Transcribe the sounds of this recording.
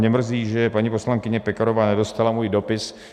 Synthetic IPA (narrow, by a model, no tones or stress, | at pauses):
ɲɛmr̩ziːʒɛpaɲipo̞slaŋkɪɲɛpɛkaɾovaːnɛdo̞st̪alamuːjdo̞pɪs